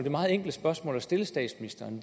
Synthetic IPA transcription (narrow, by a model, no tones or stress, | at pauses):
d̥emɑ̈ːð̩ˠeŋ̰ɡ̥ld̥əsb̥ɶɐsmɔ̰̽ːlæsd̥e̝ləsd̥ɛ̰ːd̥sminisd̥ɐːnd̥